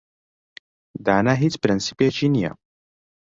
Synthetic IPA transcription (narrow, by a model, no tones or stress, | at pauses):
d̪aːnaɦit͡spɾənsi̥piat͡ʃinija̰